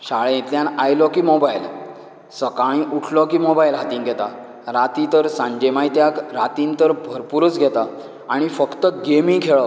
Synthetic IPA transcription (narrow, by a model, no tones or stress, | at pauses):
ɕaɭẽet̪ljãnajlɔkiːmobajl | səkaɭ̃ĩʔuʈʰlɔkimobajlɦat̪iːnɡʱɛt̪a | ɾat̪it̪əɾsãɲd͡ʑemajt̪jakɾat̪int̪əɾbʱəɾpuɾut͡sɡʱɛt̪a | aɽ̃ifəkt̪əɡemiŋkʰeɭɔ